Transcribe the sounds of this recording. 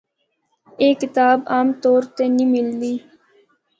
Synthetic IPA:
eːkɪt̪aːbaːmt̪oːɾt̪enĩmɪld̪iː

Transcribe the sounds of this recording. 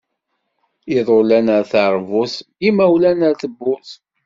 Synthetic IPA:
iðˤʊlænəɾθəɾˤvʊθimæwlænəɾθəbːʊθ

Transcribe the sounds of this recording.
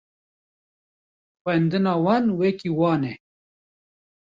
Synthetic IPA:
xwɛnd̪ɨnɑːwɑnweːkiwɑːnɛ

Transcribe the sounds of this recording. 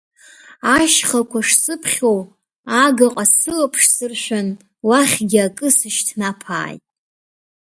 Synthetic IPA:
aʃχakʷʰaʂsʼɨpʰχʲow | aɡaqʼasɨlapʰʂsɨrʃʷᶣan | waχʲɡʲɪakʼɨsɨʃtʰnapʰa̰ːjtʼ

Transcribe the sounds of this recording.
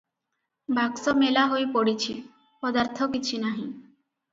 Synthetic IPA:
bʱaksomelaɦojpoɽit͡ɕʰi | pɔd̪aɾt̪ʰokit͡ɕʰinaɦĩ

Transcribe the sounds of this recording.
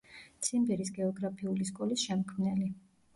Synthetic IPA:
t̪sʰimbɛɾisɡɛɔɡɾapʰiuliskʼɔlisʃɛmkʰmnɛli

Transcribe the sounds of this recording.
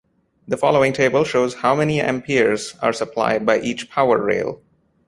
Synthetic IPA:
d̪əfɔloɪ̃ŋʈʰeːbəlˠʃoːzhaʊmɛniɛ̰̃mpʰiɹza̰ːɾsəpʰla̰ɪɖ̚baɪʔiːt͡ʃpʰaʊə̰ɹːḛːlˠ

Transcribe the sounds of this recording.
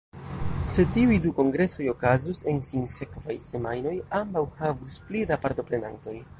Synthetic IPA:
se̞tiujduko̞ŋɡɾe̞so̞jo̞kazuse̞nsinse̞kvajse̞majno̞jambawhavusplidapaɾto̞pɾe̞na̰nto̞j

